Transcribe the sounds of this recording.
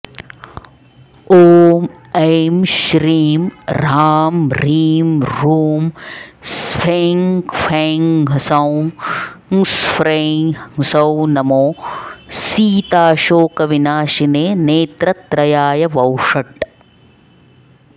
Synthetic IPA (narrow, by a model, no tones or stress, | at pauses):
oːm | eːmʃɾiːmɾaːmɾiːmɾuːmsfʰeŋkfʰeːŋɡɦɐsɐw | ŋsfɾeŋŋsɐwnɐmoːsiːt̪aːʃoːkɐʋinaːʃineːneːt̪ɾɐt̪ɾɐjaːjɐʋɐwʂɐʈ